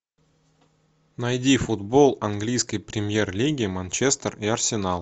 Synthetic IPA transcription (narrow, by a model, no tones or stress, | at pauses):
nɐjdʲifʊd̪bolˠɐnɡlʲijskəjpɾʲɪmʲjerlʲiɡʲɪmɐnʲt͡ɕest̪riɐrsʲɪnɑlˠ